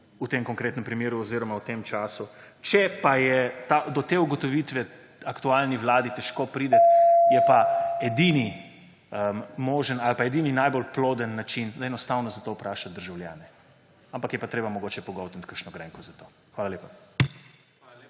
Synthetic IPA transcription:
ut̪emkɔŋkɾeːt̪nɛmpɾimeːɾuɔziːɾɔmawt̪emt͡ʃaːsu | t͡ʃɛpajɛt̪ad̪ɔt̪eːuɡɔt̪ɔʋiːt̪ʋɛ | akt̪ualniʋlaːd̪it̪ɛʃkopɾiːd̪ɛt̪jɛpaɛd̪ini | əmmoːʒənalpaɛd̪iːninajbolploːd̪ənːat͡ʃind̪aɛnɔst̪awnɔzat̪oːpɾaːʃat̪d̪əɾʒawlja̰ːnɛ | ampakjɛpat̪ɾeːbamɔɡoːt͡ʃɛpɔɡɔwt̪ən̩t̪kəɾʃnɔɡɾɛ̰ŋkɔzat̪oː | xʋaːlaleːpa

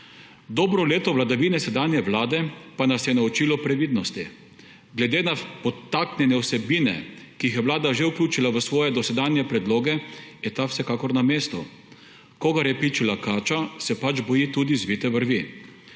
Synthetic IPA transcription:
d̪ɔːbɾɔleːt̪ɔʋlad̪aʋiːnɛsɛd̪anjɛʋlaːd̪ɛpanasjɛnaut͡ʃiːlɔpɾɛʋiːd̪nɔst̪i | ɡlɛd̪eːnapɔt̪aknʲjɛnɛwsɛbiːnɛ̰kiixjɛʋlaːd̪aʒeuklʲuːt͡ʃilaʋəsʋɔːjɛd̪ɔsɛd̪anjɛpɾɛd̪loːɡɛjɛt̪awsɛkaːkɔɾnameːst̪u | koɡaɾjɛpit͡ʃilakaːt͡ʃasɛpat͡ʃbɔjit̪ud̪izʋiːt̪ɛʋəɾʋi

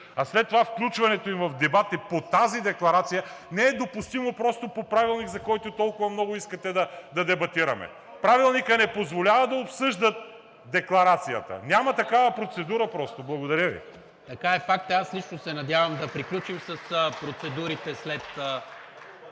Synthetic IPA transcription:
aslɛt̪ːovafklʲut͡ʃvɐnɛt̪oimvɐfd̪ɛbat̪ipot̪azid̪ɛklˠɐɾat̪sijənɛɛd̪opʊst̪imopɾɔst̪opopɾavilˠniɡzɐkɔjt̪ʊt̪ɔlˠkʊvɐmnɔɡʊiskɐt̪ɛd̪ɐd̪ɐd̪ɛbɐt̪iɾɐmɛ̰ | pɾavilˠnikənɛpozvolʲavɐd̪ɐopsɤʒd̪ət̪̚ | d̪ɛklˠɐɾat̪sijət̪ə̰nʲamɐt̪ɐkavɐpɾot̪sɛd̪uɾɐpɾɔst̪oblˠɐɡod̪ɐɾʲjəvḭ | t̪ɐkaɛfak̚t̪aslit͡ʃnosɛnɐd̪javɐmd̪ɐpɾiklʲut͡ʃimsəspɾot̪sɛd̪uɾit̪ɛslɛt̪

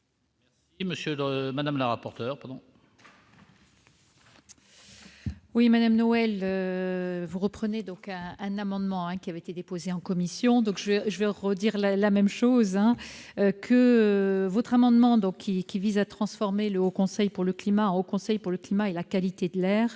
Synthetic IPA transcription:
mɛsiməsjəlmad̪amləʁapɔʁt̪œːʁpaʁd̪ɔ̃ | wimad̪amnɔɛlø | vuʁəpχəned̪ɔ̃kɛ̃ɛ̃namɑ̃d̪mɑ̃ɛ̃kʲiavɛet̪ed̪epozeɑ̃kɔmisjɔ̃d̪ɔ̃kʒəvɛʒəvɛʁəd̪iʁlalamɛmʃozɛ̃økʰə | vɔt̪χamɑ̃d̪mɑ̃d̪ɔ̃kʲːikʲivizat̪χɑ̃sfɔʁmeləokɔ̃sɛjpuʁləklimaɑ̃okɔ̃sɛjpuʁləklimaelakalit̪ed̪əlɛːʁ

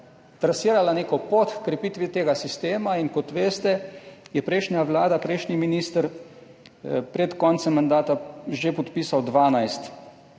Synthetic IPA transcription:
t̪ɾasiːɾalaneːkɔpot̪kɾɛpiːt̪ʋit̪eːɡasist̪eːmainkɔt̪ʋeːst̪ɛjɛpɾɛjʃnʲjaʋlaːd̪apɾɛjʃniminiːst̪əɾ | pɾɛt̪kɔnt̪sɛmːand̪aːt̪aʒepɔt̪piːsawd̪ʋaːnajst̪

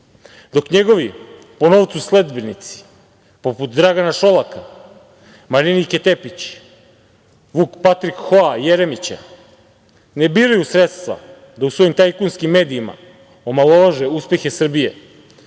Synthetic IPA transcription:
d̪o̞kɲe̞ɡo̞ʋi | po̞no̞ʋt̪susle̞d̪benit̪si̥ | po̞put̪d̪ɾaɡanaʃo̞laka | maɾiniket̪epit͡ɕ | ʋukpat̪ɾikxoajeɾemit͡ɕa̰ | nebiːɾajusɾet̪st̪ʋa̰ | d̪ausʋo̞jimt̪ajkunskimːe̞ːd̪iima̰ | omalˠoʋaʒeuspje̞xe̞sr̩bije

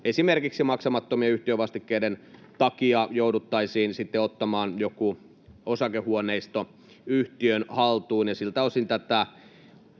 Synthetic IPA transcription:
esimerkiksimɑksɑmɑt̪ːomieyht̪iøʋɑst̪ikːeident̪ɑkiɑjoudut̪ːɑisiːnsit̪ːeot̪ːɑmɑːnjoku | osɑkehuoneist̪o | yht̪iønhɑlt̪uːnjɑsilt̪æosint̪æt̪æ

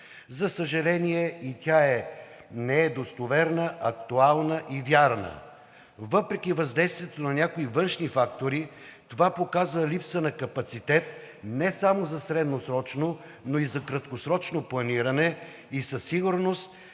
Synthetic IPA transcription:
zɐsəʒɐlɛniɛit̪ʲaɛ | nɛɛd̪ost̪ovɛɾnəʔɐkt̪ualˠnəʔivjaɾnə̰ | vɤpɾɛkʲivɐzd̪ɛjst̪viɛt̪onɐnʲakoivɤnʃnifakt̪oɾi | t̪ovapokazvəlʲipsənɐkɐpɐt̪sit̪ɛt̪ | nɛsamozɐsɾɛd̪nosɾɔt͡ʃno | noizɐkɾɐt̪kosɾɔt͡ʃnoplˠɐniɾɐnɛ | isɐsiɡʊɾnost̪̚

